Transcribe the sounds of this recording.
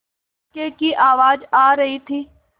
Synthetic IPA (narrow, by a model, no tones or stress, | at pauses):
kekiʔaːʋaːd͡ʒaːɾɐɦit̪ʰiː